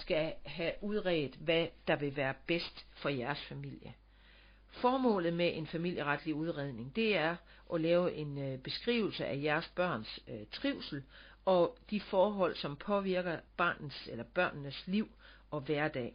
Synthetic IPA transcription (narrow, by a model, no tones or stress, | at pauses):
sɡ̥æɦæʔuð̞ˠʁɛːð̩ˠʋæd̥ɑ̈ʋe̝ʋæːɐb̥esd̥fɒ̽jæɐsfæmil̰jə | fɒːmɔ̰ːlð̞̩ˠmeʔe̝nfæmil̰jəʁɑd̥liuð̞ˠʁeð̞ˠne̝ŋd̥e̝æɐ | ʔɒ̽lɛːʊʔe̝nb̥e̝sɡ̥ʁḭːʊl̩səʔæjæɐsb̥ɶɐ̰nst͡sʰʁiʊsl̩ | ɒ̽d̥ifɒːɦɒ̽l̰sɒ̽mpʰɒ̽ʋiɐɡ̥ɐb̥ɑ̰̈ːnn̩selɐb̥ɶɐ̰nnəsliʊ̰ | ɒ̽ʋæɐd̥ɛ̰ː